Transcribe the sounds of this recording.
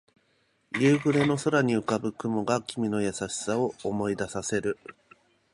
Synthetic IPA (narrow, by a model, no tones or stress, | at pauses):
jɯ̟ːɡɯ̟ɾe̞no̞soɾaɲ̟iɯ̟kabɯ̟kɯ̟mo̞ɡakʲimʲino̞jasaɕi̥sao̞omo̞id̪asase̞ɾɯ̟